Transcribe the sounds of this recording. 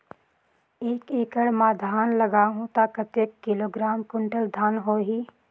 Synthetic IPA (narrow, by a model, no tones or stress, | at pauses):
eːkeːkəɽmãːd̪ʱaːnləɡaːɦũt̪akɐt̪ekːɪloːɡɾaːmkʊɳʈəld̪ʱaːnɦoːɦiː